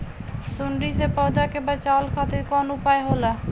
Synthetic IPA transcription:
sʊɳɾisepɔʊd̪akebat͡ʃalkʰat̪ɪɾkɔnupaeɦola

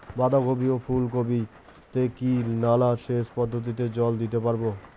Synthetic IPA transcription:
bad̪aɡobiopʰulkobi | t̪ekinalaʃeʃpɔd̪ʱːot̪̬it̪̬ed͡ʑɔld̪it̪epaɾbo

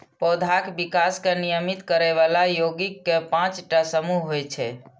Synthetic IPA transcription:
pɔd̪ʱakbikaskenijəmit̪kəɾeʋalajoɡikːepãt͡ʃʈasəmuɦɦojt͡ʃʰɛ̰

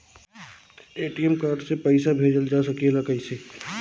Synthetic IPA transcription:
eːʈiɛmkaːɾɖsepɛɪsabʱeːd͡ʒəld͡ʒaːsɐkielakəiseː

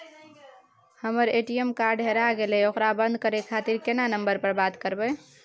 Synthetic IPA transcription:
həməɾeʈiemkaɾɖɦeɾaɡelɛokɾabənd̪̚ʱkəɾekʰat̪iɾkenanəmbəɾpəɾbat̪kəɾbɛ

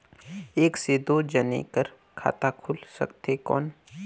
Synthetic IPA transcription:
eːksed̪od͡ʒənḛkəɾ | kʰa̰ːt̪akʰʊlsə̰kt̪ekɔ̰ːn

